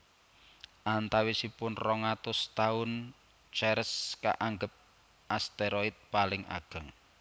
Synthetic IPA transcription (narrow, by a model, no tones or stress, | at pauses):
ʔant̪awisipʊnrɔŋat̪ʊst̪aʊn | t͡ʃɛɾəska̰ʔaŋɡəp̚ | ʔast̪eɾɔɪt̪̚palɪŋa̰ɡ̥ə̤ŋ